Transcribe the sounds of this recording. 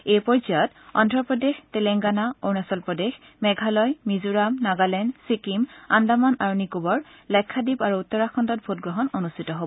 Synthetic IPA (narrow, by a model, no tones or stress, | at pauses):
ejpɔɹzajɔt | ɔndʱɹɔpɹɔdextɛlɛŋɡanaoɹnasɔlpɹɔdex | mɛɡʱalɔjmizuɹamnaɡalɛnsikimandamanaɹunikubɔɹ | lɛkʰːadibaɹuutːɔɹaxɔndɔt̚bʱotɡɹɔɦɔnonustʰitɔɦobɔ